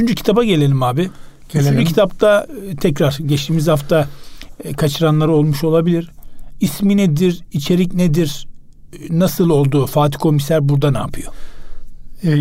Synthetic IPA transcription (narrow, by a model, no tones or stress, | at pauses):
t͡ʃʰynd͡ʒycʰi̥t̪ʰabaɟelʲe̞lʲimaːbi | yynd͡ʒycʰit̪ʰapt̪ʰat̪ʰɛcɾaɾ̥ɟɛt͡ʃt̪ʰiːmizhaft̪ʰa | kʰat͡ʃʰɯɾanlˠaɾɯo̞lˠmuʃo̞lˠabilʲiɾisminɛd̪iɾit͡ʃʰe̞ɾicned̪iɾ | nasɯlˠo̞lˠd̪uːfaːt̪ʰi̥kʰo̞misæɾbuɾd̪ana̰ːpʰɯjo̞